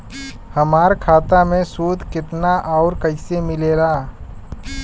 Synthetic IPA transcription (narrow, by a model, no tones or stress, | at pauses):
hɐmaːɾkʰaːt̪amẽsuːd̪ʱkɪt̪naʔɔːɾkɐɪsemɪleːlaː